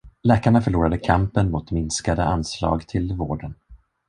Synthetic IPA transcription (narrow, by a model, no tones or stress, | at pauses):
lɛːkaɳafœɭuːɾad̪əkʰampənmʊt̪mɪnskad̪əanslɑ̰ːɡt̪ʰɪlvoːɖən